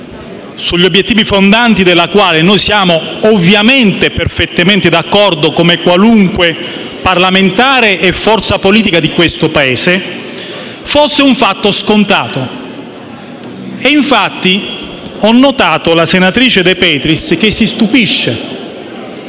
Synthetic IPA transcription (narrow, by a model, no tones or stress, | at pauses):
suʎːiobːjet̪ːiːvifond̪ant̪id̪elːakwaːlenojsjaːmoːvjament̪eperfet̪ːament̪ed̪akːɔrd̪okomekwaluŋkwe | parlament̪aːɾeʔefːɔrt̪sapoliːt̪̬ikad̪ikwest̪opaeːse | fosːeuɱfat̪ːoskont̪aːt̪o | eiɱfat̪ːi | ɔnːot̪aːt̪olasenat̪ɾiːt͡ʃed̪epɛːt̪ɾisk̟esːist̪upiʃːe